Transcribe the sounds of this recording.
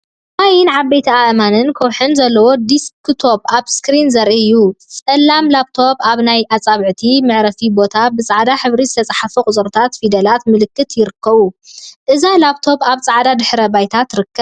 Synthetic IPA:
ʔajɪnʕabːejt̪ʰiaʔmanɨnkʰɐwħɨnzɐlːɐwo̞d̪iskʰt̪ʰo̞baβskɾinzɐɾʔiɨjːusʼɐlːamlaβt̪ʰo̞baβnajʔat͡sʼaβʕɨt̪ʰimɨʕɾɐfibo̞t̪ʰabɨt͡sʼaʕd̪aħɨβɾizɨt̪ʰɐt͡sʼaħafukʼʊt͡sʼɨɾt̪ʰat̪fid̪ɐlat̪mɨlɨkːɨt̪jɪɾɨkːɐβuʔɨzalaβt̪ʰo̞baβt͡sʼaʕd̪ad̪ɨħɾɐbajt̪ʰat̪ɾɨkːɐβ

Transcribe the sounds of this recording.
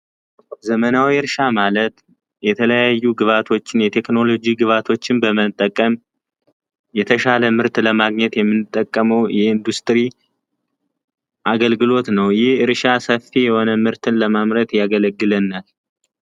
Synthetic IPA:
zəmənawiɨɾʃamalət̪ | jɛt̪ʰələjajːuɡɨβat̪ʰo̞t͡ʃːɪnjɛt̪ʰe̞kno̞lo̞d͡ʒiɡɨβat̪ʰo̞t͡ʃːɪnbəmət̪ʼːəkʼːəm | jɛt̪ʰəʃaləmɨɾt̪ləmaɡɲɛt̪jɛmːɨnɨt̪ʼːəkʼːəməwjɛɨnd̪ust̪ʼɾi | ʔaɡəlɡɨlo̞t̪nəwjɪhɨɾʃasəfːijɛho̞nəmɨɾt̪ʰɨnləmamɾət̪jaɡələɡːɨlənːal

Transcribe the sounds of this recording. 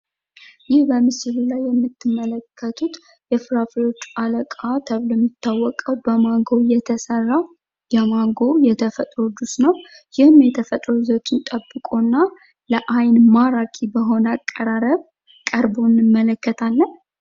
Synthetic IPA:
jɪhbəmɨsɨlulajːɛmːɨt̪ʰːɨmːələkʰːət̪ʰut̪ | jɛfɨɾaflo̞t͡ʃːaləkʼat̪ʰəβlɛmːɪt̪ːawːɔkʼəwbəmaŋɡo̞jɛt̪ʰəsərːa | jɛmaŋɡo̞jɛt̪ʰəfət̪ʼɾod̪usnəw | jɪhɨmjɛt̪ʰəfət̪ʼɾozot̪ɨnt̪ʼəbːɨkʼonːa | ləʔajnmaɾakʰibəɦo̞nəakʼːəɾaɾəβ | kʼəɾbonːɨmːələkːət̪ʰalːən

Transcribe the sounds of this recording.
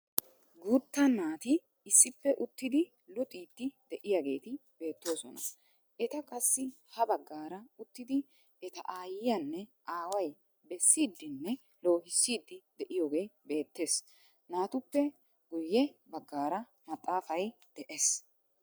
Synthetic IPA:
ɡut̪ːɐnːaːt̪ɪː | sːɪpːɛʔʊt̪ːɪd̪ɪ | lʊt̪ʼiːt̪ːɪd̪̥ɛʔɪjaɡe̞ːt̪ɪbe̞ːt̪ːo̞ːsɔnɐ̰ | ʔɛt̪ɐkʼɐsːɪ | hɐbɐɡːaːɾɐʊt̪ːɪd̪ɪ | ɛt̪ɐʔaːjɪjɐnːɛʔaːwɐj | bɛsːiːd̪ːɪnːɛ | lo̞ːɦɪsːiːd̪ːɪd̪ɛʔɪjoːɡe̞ːbe̞ːt̪ːe̞ːs | naːt̪ʊpːɛ | ɡʊjːɛbɐɡːaːɾɐ | mɐt̪ʼːaːfɐj | d̪̥ɛʔes

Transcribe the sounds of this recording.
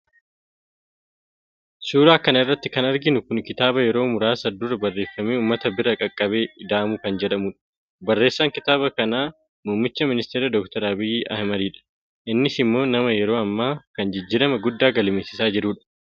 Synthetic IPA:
suːɾaːkɐnɐɪrːɐt̪ːɪkɐnɐɾɡɪnʊkʊnkɪt̪aːbɐjɛɾo̞ːmʊɾaːsɐd̪ːʊrɐbɐrːe̞ːfːɐmeːuːmːɐt̪ɐbɪɾɐkʼɐkʼːɐbe̞ːɪd̪aːmʊkɐnd͡ʒɛᶑɐmuːᶑɐ̥ | bɐrːe̞ːsːɐːŋkɪt̪aːbɐkɐnaː | muːmːɪt͡ʃːɐmɪnɪst̪eːɾɐd̪ɔk̚t̪ɐɾɐbɪjʔɐ̰hmɐd̪iːᶑɐ̥ | ʔɪnːɪsɪmːo̞ːnɐmɐjɛɾo̞ːɐmːaːkɐnd͡ʒɪd͡ʒːɪɾɐmɐɡʊd̪ːaːɡɐlɪmeːsɪsaːd͡ʒɪɾuːᶑɐ̥

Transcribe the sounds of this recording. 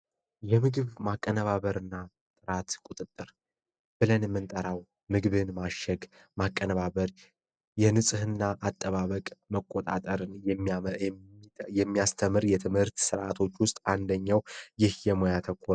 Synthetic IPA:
jɛmɨɡɨβmakʼːənəβaβəɾɨnːa | t̪ʼɨɾat̪kʷʼut̪ʼɨt̪ʼːɨɾ | b̥ɨlənmːɨnt̪ʼəɾaw | mɨɡβɨnmaʃːɛɡ | makʼːənəβaβəɾ | jɛnɨsʼɨhɨnːaʔat̪ʼːəβaβəkʼməkʼːot̪ʼa̰t̪ʼəɾɨjɛ | jɛmːijast̪ʰəmɨɾjɛt̪ʰɨmhɨɾt̪sɨɾʔat̪ʰo̞t͡ʃːwʊst̪ʼand̪əɲːawjɪhjɛmojat̪ʰəkʰʷːo

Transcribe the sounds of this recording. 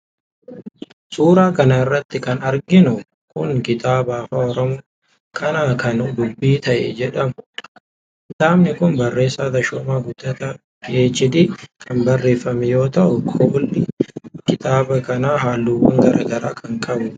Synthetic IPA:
suːɾaːkɐnɐɪrːɐt̪ːɪkɐnɐɾɡɪnʊ | kʊŋkɪt̪ʼaːbaːfaːɔɾɔmo | kʰɐnaːkɐnɡ̪ʊbːiːt̪ɐʔɛ̰d͡ʒɛᶑɐmʊ | d̪̥aːmnɪkʊnbɐrːe̞ːsːaːt̪ɐʃɔːmaːɡʊd̪̥ːɐt̪ɐ | jeːd͡ʒɪd̪ikʰɐmbɐrːe̞ːfːɐmɛjo̞ːt̪ɐʔʊkʰoːlːɪkɪt̪ʼaːbɐkɐnaːɦaːlːuːwɐ̰ŋɡɐɾʔa̰ːɡɐɾaːkʰɐŋkʼɐbʊ

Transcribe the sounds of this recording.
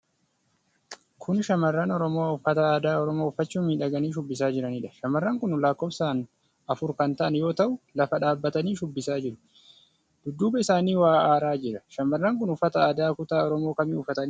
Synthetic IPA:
kʰʊnʃɐmɐrːaːnɔɾɔmoːʊfːɐt̪ɐaːd̪aːɔɾɔmoːʊfːɐt͡ʃːuːnmiːᶑɐɡɐniːʃʊbːɪs̬aːd͡ʒɪɾɐniːᶑɐ̥ʃɐmɐrːaːŋkʊnlaːkːoːbsaːn | ɐfʊɾkɐnt̪ɐʔɐnjo̞ːt̪ɐʔʊlɐfɐᶑaːbːɐt̪ɐniːʃʊbːɪsaːd͡ʒɪɾʊ̥ | d̪̥ʊd̪ːuːbɐɪsaːniːwaːʔaːɾaːd͡ʒɪɾɐʃɐmːɐrːaːŋkʊnʊfːɐt̪ɐaːd̪aːkʊt̪aːɔɾɔmo̞ːkɐmɪʊfɐt̪ɐnː

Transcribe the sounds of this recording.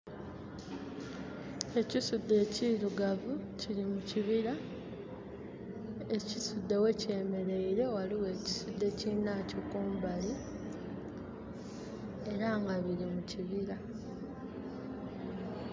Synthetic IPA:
e̞cisud̪ːe̞ːciɾuɡavuciɾimuciβiɾa | e̞cisud̪ːe̞we̞ce̞ːme̞ɾe̞iɾe̞waliwe̞ːci̥sud̪ːe̞cinacokuːmbali | eɾaŋɡaβilimuciβiɾa

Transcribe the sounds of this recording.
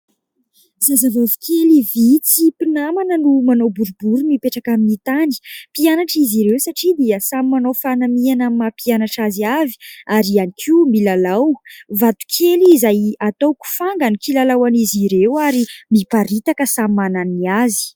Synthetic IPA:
zazavavukʰʲelivit͡sipinamanənumanowbuɾubuɾumipeʈ͡ʂakaminit̪ani̥pianaʈ͡ʂiziɾewsaʈ͡ʂid̪iəsamimanowfanamianamimapianaʈ͡ʂaziavi̥aɾianikʰiwmilalawvat̪u̥kʰelizajat̪owku̥faŋɡanukilalawaniziɾewaɾimipaɾit̪akəsamimananiazi̥

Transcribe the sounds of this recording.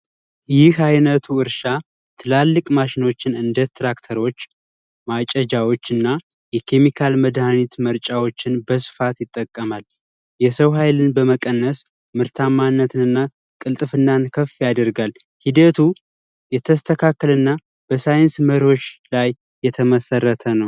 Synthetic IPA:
jɪhajnət̪ʰuɨɾʃa | t̪ʰɨlalːɨkʼmaʃɪno̞t͡ʃːɪnɨnd̪ət̪ʰɾakt̪ʰəɾo̞t͡ʃː | mat͡ʃʼəd͡ʒawo̞t͡ʃːɨnːa | jɛkʰe̞mikʰalməd̪hanit̪məɾt͡ʃʼawo̞t͡ʃːɪnbəsɨ̥fat̪jɪt̪ʼːəkʼːəmal | jɛsəwɦajlɨnbəməkʼənːəs | mɨɾt̪ʰamːanːət̪ʰɨnɨnːa | kʼɨlt̪ʼɨfɨnːankʰəfːijad̪əɾɡal | hid̪ət̪ʰu | jɛt̪ʰəst̪ʰəkʰakːəlɨnːa | b̥əsajɪnsməɾo̞t͡ʃːlajː | ɛt̪ʰəməsərːət̪ʰənəw

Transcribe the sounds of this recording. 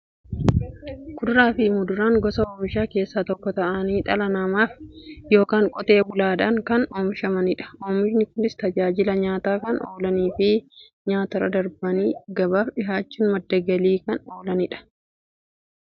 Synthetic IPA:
kʊd̪ɾaːfɪmʊd̪ʊɾaːŋɡɔsɐoːmɪʃaːke̞ːsːaːt̪ɔkːɔt̪ɐʔɐniːᶑ̪ɐlɐnɐmaːfjo̞ːkaːŋkʼɔt̪e̞ːbʊlaːᶑɐŋkɐnoːmɪʃɐmɐnɪᶑɐ̥ʔoːmɪʃnɪkʊnɪst̪ɐd͡ʒaːd͡ʒɪlɐɲaːt̪aːkɐnʔo̰ːlɐniːfɪ | ɲaːt̪ɐɾɐ̰d̪ɐɾbɐniːɡɐbaːfᶑɪɦaːt͡ʃːuːnmɐd̪ːɐɡɐliːkɐno̞ːlɐnɪᶑɐ̥

